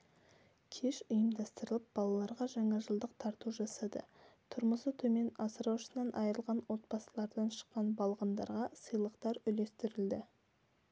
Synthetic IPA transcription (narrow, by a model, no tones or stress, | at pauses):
kʲʰe̞ʃʊjəmd̪ɑst̪əɾəlˠəp̚bɑlˠɑlˠɑɾʁɑʒɑɴɑʒəlˠd̪əq̚t̪ʰɑɾt̪uʒɑsɑd̪ə̰t̪ʰʊɾməsət̪ʰɵme̞nɑsəɾɑwʃə̥sənɑnʔɑjəɾəlˠʁɑnwo̞t̪̚bɑsəlˠɑɾd̪ɑnʃə̥qːɑnbɑlˠʁɑnd̪ɑ̰ɾʁɑsəjlˠəqt̪ɑɾʏle̞st̪ɪɾɪld̪ɪ